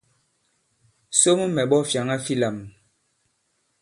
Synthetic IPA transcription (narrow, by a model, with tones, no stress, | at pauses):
so˦m˦mɛ˨ɓɔ˦fja˨ŋa˦fi˦la˨m